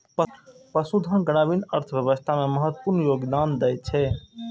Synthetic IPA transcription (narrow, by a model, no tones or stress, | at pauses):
ppəsud̪ʱə̃ɡəɽ̃abinəɾt̪ʰəbjəʋəst̪ʰameməɦət̪ːə̥puɾnjoɡd̪and̪ɛjt͡ʃʰɛ